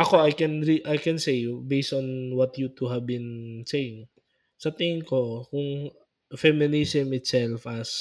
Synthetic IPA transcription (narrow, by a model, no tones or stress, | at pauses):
ʔɐko̞ajkɛnɹiʔajkɛ̃nsejbejst̪ɔnwɐt̪jut̪uɦɐvbɪ̃nsejɪŋ | sɐt̪ɪŋɪŋko̞kʊŋ | fɛmɪnisɛmɪt̪sɛlfɐs